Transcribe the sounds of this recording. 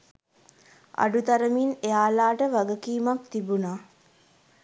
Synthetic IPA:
a̰ɖut̪aɾəminejaːlaːʈəʋaɡəkiːmak̚t̪ibunaː

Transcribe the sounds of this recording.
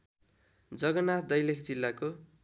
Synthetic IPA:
d͡zʌɡʌnat̪d̪ʌjlekʰd͡zilːako

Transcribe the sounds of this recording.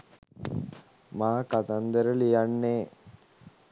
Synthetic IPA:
maːkat̪and̪əɾəlijanːeː

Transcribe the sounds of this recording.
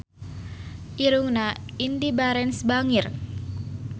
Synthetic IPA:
ʔiɾuŋnaindibaɾɛnsbaŋɪr

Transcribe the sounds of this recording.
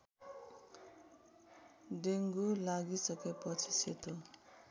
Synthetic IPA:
ɖeŋɡulaɡisʌkepʌt͡sʰiset̪o

